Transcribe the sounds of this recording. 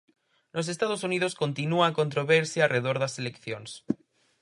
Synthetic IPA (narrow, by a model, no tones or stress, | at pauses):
nos̬est̪að̞osunið̞oskont̪inuaːkont̪ɾoβeɾsjaarʔeðoɾðaselekθjons